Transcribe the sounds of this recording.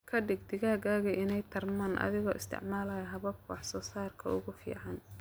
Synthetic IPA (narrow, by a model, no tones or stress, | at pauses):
kʰɐɖɪɡd̪ɪɣaːɣaːɣɐʔɪnɛjt̪ʰɐrmaːnʔɐ̰ðɪɣɔ̰ːʔɪst̪ʰɪ̰ʕmaːlaːjɦɐβɐbkʰɔħsɔːsaːrkʰɐ̰ʊɣʊfḭːʕɑn